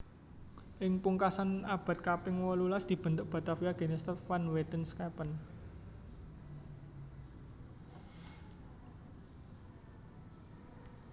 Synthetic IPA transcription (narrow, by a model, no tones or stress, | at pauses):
ʔɪŋpuŋkasanab̥a̤t̪̚kapɪŋwɔlulasd̪̥i̤b̥ə̤nd̪ʊʔb̥a̤t̪afiaɡ̥e̤nest̪ɛfanwet̪ənskapən